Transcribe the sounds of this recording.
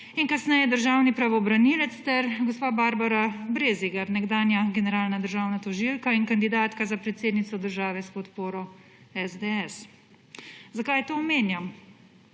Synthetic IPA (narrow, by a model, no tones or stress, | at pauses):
iŋkasnɛjɛd̪əɾʒaːwnipɾaʋɔbɾanilɛt̪st̪ɛɾɡɔspaːbaːɾbaɾabɾeziɡaɾnɛɡd̪aːnjaɡɛnɛɾaːlnad̪əɾʒaːwnat̪ɔʒilkaiŋkand̪id̪aːt̪kazapɾɛt̪seːd̪nit̪sɔd̪əɾʒaːʋɛspɔt̪poːɾɔ | ɛzd̪ɛɛs | zakajt̪oːmeːnja